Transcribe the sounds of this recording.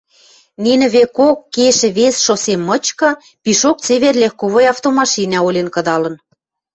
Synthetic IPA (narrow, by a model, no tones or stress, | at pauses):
ninɘ̆βekokːeʃɘ̆βesʃosemːɤ̆t͡ɕkɤ̆ | piʃok̚t͡seβerlʲexkoβojɑft̪omɑʃinɑolʲenkɤ̆d̪ɑlɤ̆n